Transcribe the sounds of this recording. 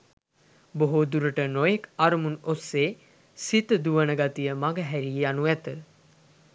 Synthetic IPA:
boɦud̪uɾəʈənojekaɾəmunosːeː | sit̪əd̪uʋənəɡat̪ijəmaɡəɦæɾieanuæt̪ə

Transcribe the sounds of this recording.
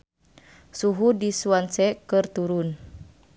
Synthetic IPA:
suɦudisuansɛkɨrt̪uɾun

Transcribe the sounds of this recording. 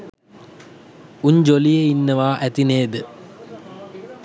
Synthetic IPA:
uɲd͡ʑolijeinːəʋaːʔæt̪ineːd̪ə

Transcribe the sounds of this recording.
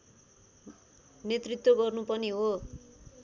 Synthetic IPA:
net̪rit̪woɡʌrnupʌniɦo

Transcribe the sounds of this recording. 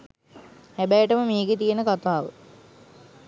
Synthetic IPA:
hæbæjəʈəməmeːɡet̪ijenəkat̪aːʋə̰

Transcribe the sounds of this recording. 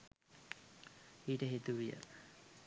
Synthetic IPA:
iːʈəɦet̪uʋijə̰

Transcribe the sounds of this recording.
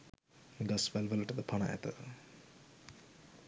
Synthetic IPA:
ɡɐsʋælʋələʈəd̪əpʰɐnaʔæ̰t̪ə

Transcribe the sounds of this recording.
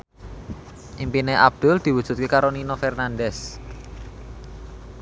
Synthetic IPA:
ʔimpineʔab̚d̪̥ʊld̪̥i̤wud̥ʒ̥ṳt̪̚kekaɾoninofɛrnand̪ɛs

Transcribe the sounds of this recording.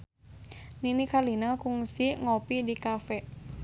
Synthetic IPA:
ninikalinakuŋsiŋopidikafɛʔ

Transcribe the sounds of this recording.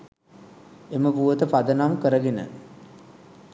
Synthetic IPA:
eməpuʋət̪əpad̪ənamkəɾəɡenə̰

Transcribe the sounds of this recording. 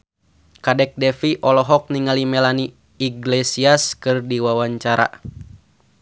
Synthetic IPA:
kadɛk̚dɛfiʔɔlɔɦɔk̚niŋalimɛlaniː | ɡlɛsiaskɨrdiwawaɲt͡ʃaɾa̰

